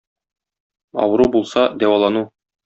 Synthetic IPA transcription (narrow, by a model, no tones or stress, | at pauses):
ɒ̰wɤ̆ɾubulˠsɑd̪æwɑlˠɑnu